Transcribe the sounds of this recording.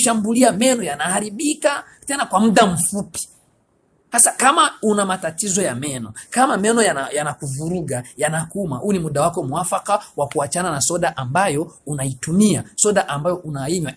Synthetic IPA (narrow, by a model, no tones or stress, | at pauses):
ʃambuliamɛnɔjanahaɾiɓika | tɛnakwamuɗam̩fupi̥ | hasakamaunamatatizɔjamɛnɔkamamɛnɔjajanakuvuɾuɡajanakumahunimuɗawakɔmuafakawakuat͡ʃananasɔɗaʔambajɔunaitumiasɔɗaʔambajɔʔunaiɲwa